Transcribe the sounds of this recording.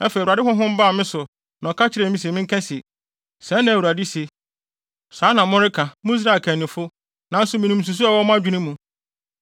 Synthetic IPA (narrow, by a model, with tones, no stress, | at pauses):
ɛ˦fe˨a˨dɪ˦ɦʊ̃˦ɦʊ̃˦m̩˦ba˦˨mɪ̃˦sʊ˨ | nã˨ɔ˨kʰa˦t͡ɕʰɪ˦ɾɛ˨mĩ˦s̬e˨mɪ̃˦ŋ̩˦kʰɛ̃˦se˨ | sɛ̃˦n˦nã˨wu˨ɾa˨dɪ˦se˨ | saː˨˦nã˨mʊ̃˦ɾɪ˦kʰã˨mʊ̃˦i˦s̬ɾa˦˨kʰæ̃˨nɪ̃˨fʊ˦ | nã˨˦n̩˦sʊ˨mɪ̃˨nũ˨m̩˨s̬u˨s̬u˦a˨wɔ˦mʊ̃˦a˦d͡ʑᶣu˦nũ˦mũ˨